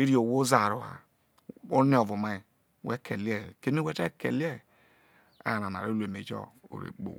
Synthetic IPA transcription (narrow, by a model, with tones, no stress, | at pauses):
i˦ɾi˦o˨wo˦za˨ɾu˨ha̰˨ | o˦ni˦ɔ˨vu˨ma˨i˨ | wɛ˦kʰe˨li˦ɛ˨ke˦mi˦wɛ˦te˦kḛ˨lɛ˦˨ | a̰˨n˨a˨na̰˨ɾo˦le˨me˨d͡ʒɔ̰˦o̰˨ɾḛ˨k͡po̰˨